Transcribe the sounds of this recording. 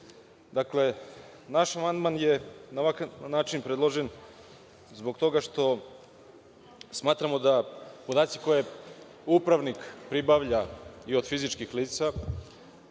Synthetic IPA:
d̪akle̞ | naʃamand̪manjenaʋakanaːt͡ʃinpɾed̪lˠo̞ʒe̞n | zbo̞ɡt̪o̞ɡaʃt̪o̞ | smaːt̪ɾamo̞d̪apo̞d̪aːt̪siko̞je | upɾaʋnikpɾibaʋʎaio̞d̪fizit͡ʃkixliːt̪sa

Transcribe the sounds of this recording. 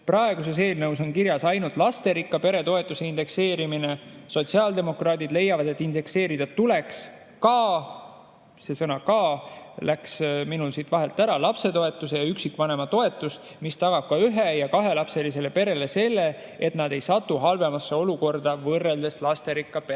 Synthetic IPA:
prɑe̞ɡ̥use̞s̬e̞ːlnɤwso̞nkiɾjɑsɑjnult̪ˑlɑst̪e̞ɾikːɑpe̞ɾe̞t̪o̞et̪ːˑuse̞ind̪̥e̞kse̞ːɾimineso̞t̪siɑːld̪̥e̞mo̞krɑːd̪̥id̪̥le̞jːɑvɑd̪e̞t̪ːˑind̪e̞kse̞ːɾid̪̥ɑt̪ːule̞ks | kɑː | se̞sɤnɑkɑːlæksminulsit̪vɑɦe̞lt̪ːˑæɾɑlɑpse̞t̪o̞e̞t̪ːˑuse̞jɑyksikːˑvɑne̞mɑt̪o̞e̞t̪ːˑus | mist̪ɑɡ̥ɑb̥̚kɑyɦejɑkɑɦe̞lɑpse̞lis̬e̞le̞pe̞ɾe̞le̞se̞lːe̞ | et̪nɑd̪e̞jsɑt̪ːuɦɑlve̞mɑsːeo̞luko̞rd̪̥ɑvɤrːeld̪e̞slɑst̪e̞ɾikːɑpe

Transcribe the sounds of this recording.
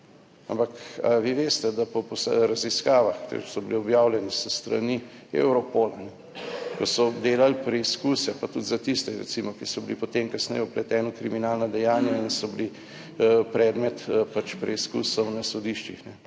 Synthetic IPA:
a̰mpaka̰ʋiʋeːst̪ɛd̪apɔposɾaziskaːʋaxt̪ḛsɔbliɔbjaːwlʲjɛnisəst̪ɾa̰niḛwɾɔpoːlanɛ | kosɔd̪eːlalpɾɛiskusɛpat̪ut̪zat̪ist̪ɛɾɛ̰t̪simɔkisɔblḭpɔt̪emkasnɛ̰jɛɔplɛt̪ɛːnɔkɾiminaːlnad̪ɛjaːnjainsɔbli | pɾɛːd̪mɛt̪pat͡ʃpɾɛiskṵsɔwnasɔd̪iʃt͡ʃixnɛ

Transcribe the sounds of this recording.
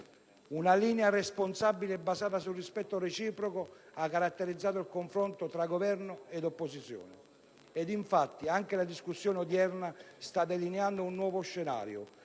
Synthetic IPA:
unalinearesponsabːileɛbːasaːt̪asurispɛt̪ːoɾet͡ʃiːpɾokoakːaɾat̪ːeɾid̪zːaːt̪̬ʊilkoɱfɾɔnt̪ot̪ɾaɡovɛɾnʊɛd̪opːosit̪sːjɔ̰ːnɪ | ɛd̪iɱfat̪ːiaŋk̟elad̪iskusːjɔːnɪod̪jɛrnast̪ad̪ːelineand̪ounːwɔːvoʃːena̰ːɾjo̰

